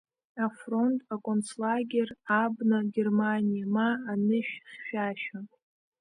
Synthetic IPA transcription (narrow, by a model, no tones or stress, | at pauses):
afro̞ntʼakʼont͡slaɡʲerabnaɡʲermanʲijamaːnɨʃᶣχʲʃᶣaʃᶣa